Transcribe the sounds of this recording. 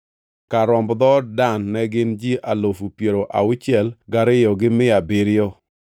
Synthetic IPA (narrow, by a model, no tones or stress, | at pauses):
kaɾɔmbd̪ɔdanːɛɡɪnd͡ʒiʔalofupjeɾoʔa̰ʊt͡ʃjɛlɡaɾɪjɔɡɪmɪabɪɾɪjɔ